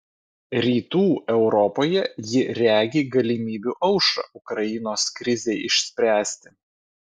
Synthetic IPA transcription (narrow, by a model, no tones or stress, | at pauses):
ɾʲiːt̪uːɛʊɾɔpoːjɛjɪɾʲæːɡʲiːɡɐlʲimʲiːbʲuːʔɒʊʃɐ̰ʊkɾɐjɪnoːskɾʲɪzʲeːʔɪʃʲsʲpʲɾʲæːsʲt̪ʲɪ̥